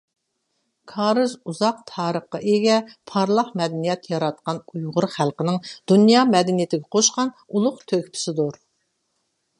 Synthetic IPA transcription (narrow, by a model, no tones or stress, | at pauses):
kʰɑːɾɨzuzɑq̚t̪ʰɑːɾəχqːɑʔeɡʲɛpʰɑɾlˠɑχmɛd̪ɛnijɛt̪jɑɾɑt̪̚qɑnujʁʊɾχælˠqənɪŋd̪̥unjɑːmɛd̪ɛnijɪt̪ɪɡʲɛqʰoʃqɑn | ulˠʊqt̪ʰøkʲpʰɪ̥sɪd̪uɾ